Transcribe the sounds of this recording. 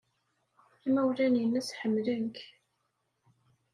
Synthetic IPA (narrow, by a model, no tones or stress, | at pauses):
imæwlænjənːæsħəmːlənk